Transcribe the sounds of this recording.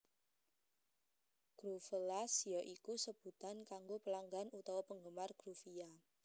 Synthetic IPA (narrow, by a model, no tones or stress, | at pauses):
ɡ̥ɾufəlasjɔʔikusəb̥ṳt̪ankaŋɡopəlaŋɡanut̪ɔwɔpəŋɡəmarɡ̥ɾufia